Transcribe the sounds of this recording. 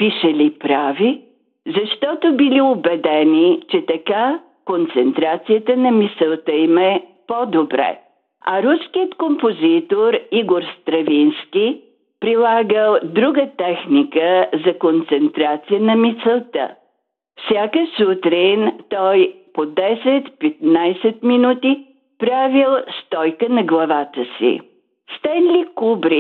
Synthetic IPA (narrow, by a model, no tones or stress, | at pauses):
piʃəlipɾavi | zɐʃt̪ɔt̪obiliobɛd̪ɛnit͡ʃɛt̪ɐka | kont̪sɛnt̪ɾat̪sijət̪ənɐmisɛlˠt̪əimɛpɔd̪obɾɛ̰ | ɐ̰ɾuskijət̪kompozit̪oɾiɡoɾst̪ɾɐvinskʲi | pɾilˠaɡəlˠd̪ɾuɡət̪ɛxnikəzɐkont̪sɛnt̪ɾat̪sijənɐmit̪sɛlˠt̪ə̰ | fsʲjakəsut̪ɾint̪ɔjpod̪ɛsɛt̪pɛt̪najsɛt̪minut̪i | pɾavilˠst̪ɔjkənɐɡlˠɐvat̪əsḭ | st̪ɛnlʲikubɾi